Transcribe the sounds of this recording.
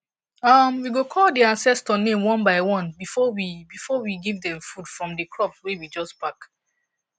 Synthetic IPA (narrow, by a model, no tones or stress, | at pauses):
ʌmwiɡokʰɔldiãnsɛstənẽmwɔ̃nbaɪwɔ̃nbifɔwibifɔwiɡivdɛ̃mfudfɹɔ̃mdikʰɹɔpswewid͡ʒɔspak